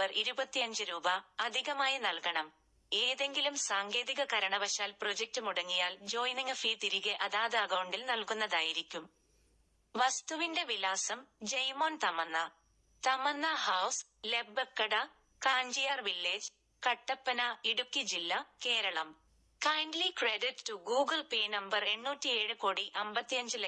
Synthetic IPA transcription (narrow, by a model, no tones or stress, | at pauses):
ɐriɾubɐt̪ːijɐɲd͡ʑɨɾuːbɐɐd̪ʱiɣɐmaːjɐnɐlkɐɳɐm | e̞ːðe̞ŋɡilumsaːŋɡe̞ːðiɣɐkɐɾɐɳɐʋɐɕaːlpro̞d͡ʑek̚tɨmuɽɐŋːijaːld͡ʑo̞ːjniŋɐfiːt̪iɾiɣeʔɐðaːðeɐkɐwɳɖilnɐlkunːɐðaːjiɾikʲːum | ʋɐst̪uʋinde̞ʋilaːsɐmd͡ʑɐjmoːnt̪ɐmɐnːɐ | t̪ɐmɐnːɐhɐws | le̞bekːɐɽɐ | kaːɲd͡ʑijaːrʋilːeːd͡ʑ | kɐʈːɐpːɐnɐiɽukːid͡ʑilːɐke̞ːɾɐɭɐm | kɐjɳɖlikreɖittuɡuːɡɐlpeːnɐmbɐre̞ɳːuːtːie̞ːɻɨkoːɽiʔɐmbɐt̪ːijɐɲd͡ʑɨl